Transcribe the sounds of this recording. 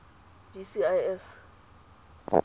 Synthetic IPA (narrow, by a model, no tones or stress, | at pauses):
d͡ʒisiajɛs